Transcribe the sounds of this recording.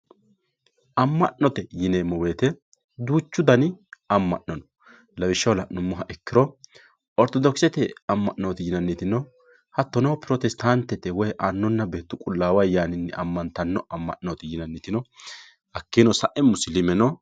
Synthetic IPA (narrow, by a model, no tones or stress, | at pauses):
ʔɐmːɐ̰ʔnɔt̪ɛjɪneːmɔweːt̪ɛ | d̪uːt͡ʃːʊd̪ɐnɪɐmːɐ̰ʔnɔnɔ̥ | lɐwɪʃːɐwlɐʔnʊmːʊɦɐʔɛkːɪɾɔ | ɔɾt̪ɔd̪ɔksɛt̪ɛɐmːɐʔnoːt̪ɪjɪnɐnːit̪ɪnɔ | hɐt̪ːɔnɐwpɪɾɔt̪ɛst̪ant̪ːɛt̪ɛwɔjɛʔanːɔnːɐbeːt̪ːʊkʼʊlːaːwɐjjaːnɪnːɛ̰ɐmːɐnt̪ɐnːɔɐmːɐ̰ʔnoːt̪ɪjɪnɐnːit̪ɪnɔ | hɐkːɪnɔsɐʔɛmːʊsɪlɪmɛnɔ